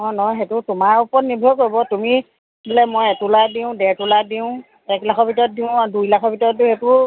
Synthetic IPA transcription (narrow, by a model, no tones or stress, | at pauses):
mɔjnɔxetʊtʊmaɹupɔtnibʱɔjkoɹbɔtumi | tilɛmojɛtuladiʊ̃dɛtuladiʊ̃ | ɛklakʰɔbʱitɔt̚diʊ̃adujlakʰɔbʱitɔt̚dihetʊ